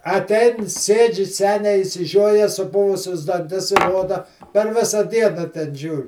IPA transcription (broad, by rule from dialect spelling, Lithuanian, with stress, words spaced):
ɐˈtʲɛɪn ˈsʲeːd͡ʒʲɪ ˈsʲæːnʲɛɪ ɪʃʲsʲɪˈʒʲoːjɛ sʊˈpʊʋʊsʲʊs dɐnʲˈtʲɪs ˈroːdɐ pʲɛr ˈʋʲɪsɐ ˈdʲiɛnɐ tʲɛn ˈʒʲuːrʲ